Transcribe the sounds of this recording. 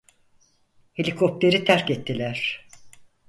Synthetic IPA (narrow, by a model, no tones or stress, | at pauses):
helʲikʰop̚t̪ʰe̞ɾit̪ʰæɾkɛt̪ʰːilʲæɾ̥